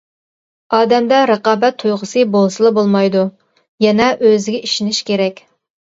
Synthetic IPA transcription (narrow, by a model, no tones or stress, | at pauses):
ɑːd̪ɛmd̪ɛɾəqɑːbɛt̪ʰːujʁʊsɨbolˠsɨlˠɨbolˠmɑjd̪u | jɛnɛʔøzɪɡʲɛiʃinɪʃkʲʰeɾɛkʲ